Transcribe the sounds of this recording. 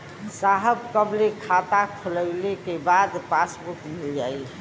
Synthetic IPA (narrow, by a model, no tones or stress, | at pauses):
saɦəbkəblekʰat̪akʰoləɪlekebad̪pasbuʈmild͡ʒaːi